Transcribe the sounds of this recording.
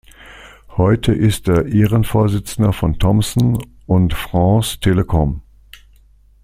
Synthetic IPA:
hɔʏtʰəʔɪst̚d̥eːɐʔeːʁənfoːɐzɪt͡sn̩dɐfɔntʰɔmsn̩ | ʔʊntfʁ̥ɑ̃ːstʰeːləkʰɔm

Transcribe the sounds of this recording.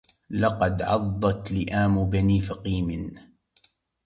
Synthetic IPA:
lɑqɑd̪ʕɑ̰d̪ˤːɑt̪lɪʔaːmʊbaniːfaqiːmɪn

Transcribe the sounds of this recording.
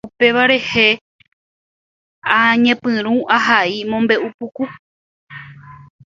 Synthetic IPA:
upe̞ʋaɾe̞he̞ | aɲẽpɨ̃ɾ̃ũʔaɦaimõ̞mbe̞ʔupuku

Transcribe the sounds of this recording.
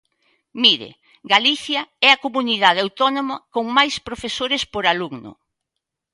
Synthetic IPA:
miɾḛ | ɡaliθjɐɛɐkomuniðaðeawt̪ɔnomɐkoŋmajspɾofesoɾɪspoɾaluɡnʊ̰

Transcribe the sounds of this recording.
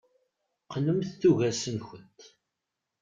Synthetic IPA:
qnəmθθuʝæsənçənt̪ː

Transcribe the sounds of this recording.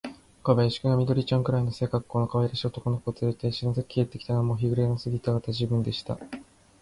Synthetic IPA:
kaβaiɕi̥kɯ̟ɡamʲid̪o̞ɾʲit͡ɕãŋkɯɾaino̞se̞ːkakːo̞ːno̞kaβaiɾaɕiot̪oko̞noko̞ːt͡sɨɾet̪e̞ɕinazɨkɯ̟kʲiet̪ːe̞kʲi̥t̪anamo̞çiɡɯ̟ɾe̞nosɨɡʲit̪aɡat̪ad͡ʑɨːbɯ̟̃nd̪e̞ɕi̥t̪a̰

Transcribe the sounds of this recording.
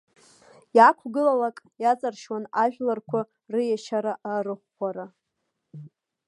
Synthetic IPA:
jakʷʰɡɨlalakʼjat͡sʼarʃwanaʒᶣlarkʷʰa | rɨjaʃaɾaʔarɨχːʷaɾa

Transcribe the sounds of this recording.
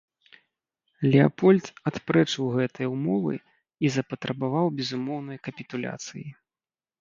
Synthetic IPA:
lʲɛa̰pɔlʲt̪at̪pɾɛt͡ʂɨwɣɛt̪ɨjɐumɔvɨ̰ | izɐpɐt̪ɾɐbavawbʲɛzumɔwnɐjkɐpʲit̪ulʲa̰t̪sɨji

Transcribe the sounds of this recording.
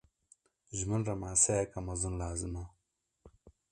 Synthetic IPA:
zumunɾɐmaːsejkɐmɐzunlaːzima

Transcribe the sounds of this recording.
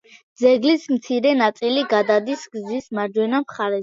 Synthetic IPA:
d̪zɛɡlismt̪sʰiɾɛnat̪sʼiliɡad̪ad̪isɡzismaɾd͡ʒwɛnamχaɾɛ

